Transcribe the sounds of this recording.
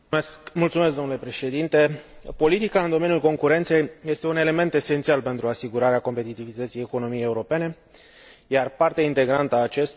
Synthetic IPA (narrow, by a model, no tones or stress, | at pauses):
mult̪sumes̬kɡd̪onule̞pɾe̞ʃe̞d̪int̪e̞po̞lit̪ikaɨnd̪oe̞nijulko̞ŋkuɾe̞nt̪se̞jje̞st̪e̞une̞le̞me̞nt̪e̞se̞nt̪sialpe̞nt̪ɾuasiɡuɾaɾeako̞mpe̞t̪it̪ivit̪ət̪sijeko̞no̞mijejeuɾo̞pe̞ne̞ | jarpart̪eaint̪e̞ɡɾant̪əaːt͡ʃest̪